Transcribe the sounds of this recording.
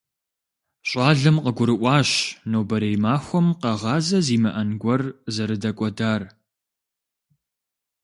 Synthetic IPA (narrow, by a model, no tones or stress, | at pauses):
ɕʼɑːɮɐmqəɡʷʊɾɨʔʷɑːɕnoːbɐɾejmaːxʷɔmqɐʁɑːzɐziːmɐʔɐnɡʷɔrzɐɾɨdɐkʷʼɔdaːr